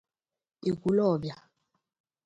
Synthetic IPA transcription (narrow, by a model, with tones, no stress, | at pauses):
i˨k̬u˦lɔː˦˨ɓja˨